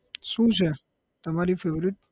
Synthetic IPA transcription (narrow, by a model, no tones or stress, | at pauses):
ʃũt͡ʃʰe | t̪əmaɾifeʋɾɪt̪̚p